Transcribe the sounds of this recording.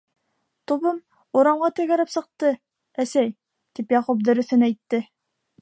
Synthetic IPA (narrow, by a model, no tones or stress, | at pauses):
t̪uβɤm | uɾɑɴʁɑt̪ɘ̆ɡæɾɘpsɤ̆q̚t̪ɤ | æsæj | t̪ipjɑqup̚d̪ɵ̆ɾɵ̆θɘnæjt̪ːɘ